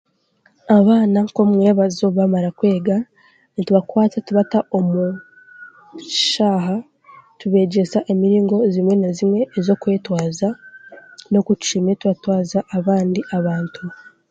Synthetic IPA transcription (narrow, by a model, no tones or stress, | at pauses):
aβaːnako̞mŋe̞ːβazo̞βamaɾakwe̞ːɡa | nituβakwaːt͡satuβataʔo̞mu | ʃaːɦa | tuβe̞ːɟe̞saʔemiɾiːŋɡo̞zimwe̞nazimŋe̞ːzo̞kwe̞ːtwaːza | no̞kutu̥t͡ʃime̞tuβatwaːzaʔːβaːndiʔaβaːntʰu